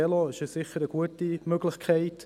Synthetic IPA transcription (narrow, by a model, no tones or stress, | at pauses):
ɛloɪʃəssɪχəɾəɡ̥uətimøɡlɪχkʰɛɪt